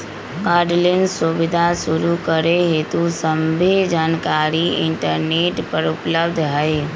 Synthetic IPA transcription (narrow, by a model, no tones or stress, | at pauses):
ɡaːɾɖlensubɪd̪ʱasuɾukəɾeɦet̪usəmbʱed͡ʒaːnkaɾiɪ̰ɳʈəɾneːʈpəɾʊpləbd̪ʱɦəɪ